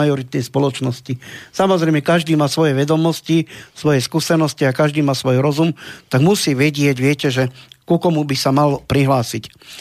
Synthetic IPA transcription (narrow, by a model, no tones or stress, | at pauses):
ajɔɾit̪̚nɛjspɔlɔt͡ʃnɔscisamɔzɾɛjmɛkaʒd̪iːmaːsʋɔjɛʋɛd̪ɔmɔscisʋɔjɛskuːsɛnɔsciakaʒd̪iːmaːsʋɔjɾɔzumt̪aɡmusiːʋɛɟɪɛɟʋɪɛcɛʒɛkukɔmubisamalpɾiɦlaːsic